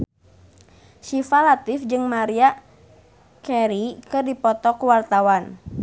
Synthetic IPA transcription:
ʃifalat̪ifd͡ʒɨŋmaɾia | kɛɾikɨrdipɔt̪ɔkuwart̪awan

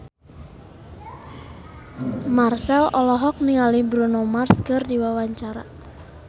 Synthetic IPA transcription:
marsɛlɔlɔɦɔk̚niŋalibɾunomarskɨrdiwawaɲt͡ʃaɾa̰

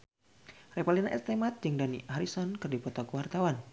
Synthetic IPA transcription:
repalinaʔɛst̪emat̪̚d͡ʒɨŋdanḭaɾisɔnkɨrdipɔt̪ɔkuwart̪awan

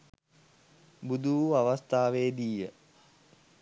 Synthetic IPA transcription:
bud̪uʋuaʋast̪aːʋeːd̪iːə

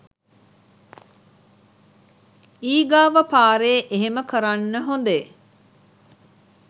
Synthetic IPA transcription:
iːɡaːʋəpaːɾeːʔeɦeməkəɾanːəɦond̪e

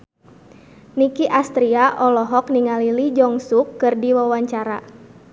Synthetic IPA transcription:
nikiʔast̪ɾiaʔɔlɔɦɔkniŋalilid͡ʒɔŋsukːɨrdiwawaɲt͡ʃaɾa

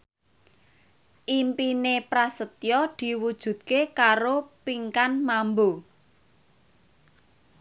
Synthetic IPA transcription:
ʔimpinepɾasət̪jɔd̪̥i̤wud̥ʒ̥ṳd̪̚kekaɾopiŋkanmambo

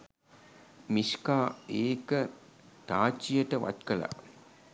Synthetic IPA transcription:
miskaːeːkət̪aːt͡ʃːijəʈəʋa̰t̪kəla̰

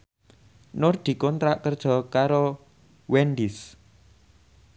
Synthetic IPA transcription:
nɔrd̪̥i̤kɔnt̪ɾaʔkərd̥ʒ̥ɔ̤kaɾo | wɛndis

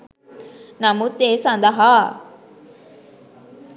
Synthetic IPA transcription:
namut̪esãnd̪aɦa

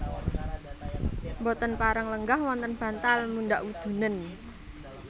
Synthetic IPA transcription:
mbɔt̪ənpaɾəŋləŋɡahwɔnt̪ənb̥ä̤nt̪almunɖaʔwud̪̥ṳnən

